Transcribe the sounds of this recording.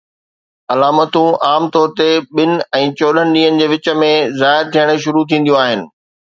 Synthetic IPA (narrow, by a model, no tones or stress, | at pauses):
ɐlaːmət̪ũʔaːmt̪ɔːɾt̪eɓɪnɪ̆ɛ̃ːt͡ɕoːɗənɪ̆ɗĩːənɪ̆d͡ʑeːʋɪt͡ɕə̆mẽzaːɪɾt̪ʰijəɽ̃ə̆ʃʊɾut̪ʰĩːnd̪ijũaːɦɪnɪ̆